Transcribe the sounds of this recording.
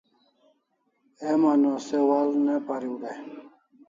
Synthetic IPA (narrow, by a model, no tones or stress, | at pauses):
emanosewalnepaɾiwɾe